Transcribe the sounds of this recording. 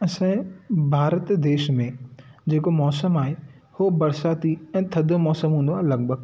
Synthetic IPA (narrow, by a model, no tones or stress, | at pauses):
ɐsãbʱaːɾət̪d̪eːʃmẽd͡ʑeːkomɔːsəmaːɦe | hobɐɾsaːt̪iɛ̃ːt̪ʰɐd̪ʱomɔːsəmɦũːnd̪aːɾɪlɐɡ̚bʱəɡ